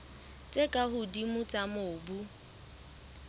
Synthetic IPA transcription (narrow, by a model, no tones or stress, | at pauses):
t͡sʼekʼaɦʊdimʊt͡sʼamoːbu